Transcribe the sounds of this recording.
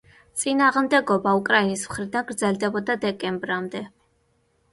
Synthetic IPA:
t̪sʼinaːʁmd̪ɛɡɔbaukʼɾainismχɾid̪anɡɾd̪zɛlˠd̪ɛbɔd̪ad̪ɛkʼɛmbɾamd̪ɛ

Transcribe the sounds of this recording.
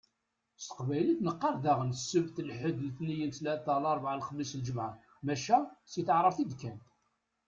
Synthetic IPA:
st̪ə̥qvæjləθnəqːɑɾˤðaʁənsːəvθəlħəd̪lθnijənslæt̪ːəlɑɾˤvʕalχəlːislʒəmʕa | mæʃæsiθəʕɾˤəvθid̪kːæn

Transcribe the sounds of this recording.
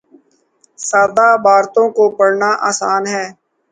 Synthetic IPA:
saːɾd̪aːbaːɾt̪õkopəɽnaːʔa̰ːsaːnɦɛː

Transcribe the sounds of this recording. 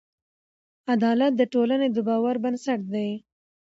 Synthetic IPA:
ad̪ɑlat̪̚d̪əʈolaned̪əbɑwaɾbənsaʈ̚d̪aj

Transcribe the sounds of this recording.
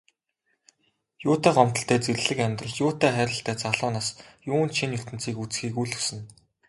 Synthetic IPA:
jʊːt̪æːɢɔm̥t̪ɞ̆ɬt̪ʰæːt͡serɮɘ̆kæmʲt̪rə̆ɮt͡ɕjʊːt̪æːχæːɾʲɪ̆ɬt̪æːt͡saɮʊːnaːsjʊːnʃinjɵr̥t̪ɘ̆n̥t͡siːkut͡sxiːkuɮɵ̥sɘ̆n

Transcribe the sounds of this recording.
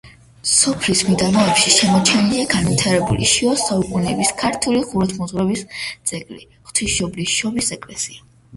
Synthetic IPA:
sɔpʰlismid̪amɔɛpʃiʃɛmɔt͡ʃʰɛniliaɡanvit̪ʰaɾɛbṵlḭʃiɔsaukʼunɛːbiskʰaɾt̪ʰuliχuɾɔt̪ʰmɔzʁwɾɛbisdt̪sʼɛkʼli | χt̪ʰiʃɔbliʃɔbisɛkʼlɛsia

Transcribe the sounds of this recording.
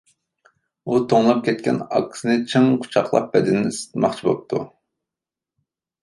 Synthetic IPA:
ut̪ʰoŋlˠɑp̚kʲʰɛt̪̚kʲɛ̰nɑ̰kʰːsɨnɨt͡ʃʰɨŋqʰʊ̥t͡ʃʰɑχlˠɑ̰p̚bɛd̪ɪnːɪsɨ̥t̪mɑχt͡ʃʰibo̰p̚t̪ʰu

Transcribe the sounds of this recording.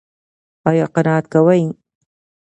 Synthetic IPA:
ɑjɑqɑnɑːat̪̚kawaj

